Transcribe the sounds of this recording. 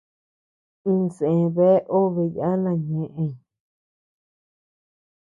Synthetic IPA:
ĩ˧se˨e˧βe˦ʔo˦βe˧ja˦nã˧˨ɲẽ˨ʔẽ˧˨

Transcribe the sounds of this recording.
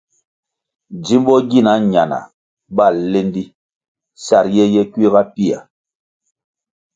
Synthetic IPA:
d͡ʒi˦m˦bɔ˦ɡi˦˨na˨˦ɲa˨na̰˨ | ba˦˨le˦ndi˦ | sa˨ɾjɛ˦jɛ˦kwi˦ɣa˦pi˦˨a̰˨

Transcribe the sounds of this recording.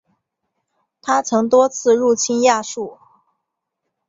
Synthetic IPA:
t̪ʰa˥t͡sʰɤ˧˥ŋt̪wɔ˥t͡sʰɹ̩˥˧ɻu˥˩t͡ɕʰi˥nja˥˧ʂu˥˩

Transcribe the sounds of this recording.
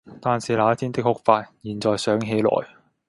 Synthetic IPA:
t̪aː˨˧nsiː˨˩laː˨˦˥t̪ʰiː˥nt̪ɪ˥k̚hʊ˥k̚faː˧t̚jiː˨˩nt͡sɔː˨jsœː˨˥ŋɦe˨˥jlɔ̰ː˨j

